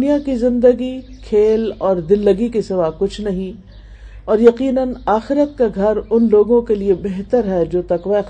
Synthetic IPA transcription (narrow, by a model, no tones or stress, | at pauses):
nijakizɪ̃nd̪əɡikʰeːlɔːɾd̪ɪlːɐɡikisɪʋaːkʊt͡ʃʰnɐɦĩ | ɔːɾjɐqiːnənaːxɪɾət̪̚kaɡʱɐɾʊnloːɡõkeliebɛɦt̪əɾɦɛd͡ʒoːt̪ɐqʋaɪ